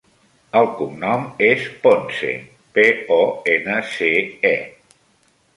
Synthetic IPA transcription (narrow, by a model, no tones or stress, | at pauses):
əlˠkumnɔmesponsḛ | peɔenəseɛ